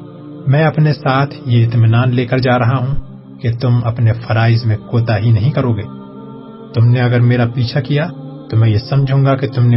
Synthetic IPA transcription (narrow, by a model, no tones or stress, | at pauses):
mɛ̃ːɐpnesaːt̪ʰjeɪt̪mɪnaːnleːkəɾd͡ʒaːɾɐɦaɦũ | ket̪ʊmɐpnefɐɾaːɪzmẽkoːt̪aɦinɐɦĩkɐɾoːɡeː | t̪ʊmneɐɡəɾmeːɾapiːt͡ʃʰakijat̪omɛ̃ːjesɐmd͡ʒʱũːɡaket̪ʊmne